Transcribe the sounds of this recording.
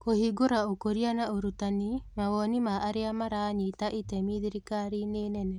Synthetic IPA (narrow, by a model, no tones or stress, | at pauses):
kohiɡoɾaokoɾianaoɾutanimawɔnimaʔːɾeamaɾaɲitaʔitɛmiðiɾikaɾinenɛnɛ